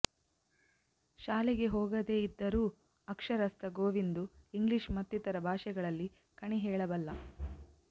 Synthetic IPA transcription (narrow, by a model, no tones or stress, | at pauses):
ʃaːliɡe̞ɦoːɡɐd̪e̞ːid̪ːɐɾuː | ɐkʂɐɾɐst̪ɐɡoːʋind̪uiŋɡliʂmɐt̪ːit̪ɐɾɐbʱaːʃɛɡɐɭɐlːi | kɐɳiɦɛːɭɐbɐlːɐ